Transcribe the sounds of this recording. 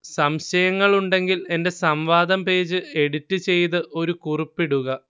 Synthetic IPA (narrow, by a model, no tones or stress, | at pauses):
sɐmɕɐjɐŋːɐɭuɳɖe̞ŋɡile̞nde̞sɐmʋaːd̪ɐmpe̞ːd͡ʑɨe̞ɽitːɨt͡ɕe̞jt̪ɨʔo̞ɾukuripːiɽuɣɐ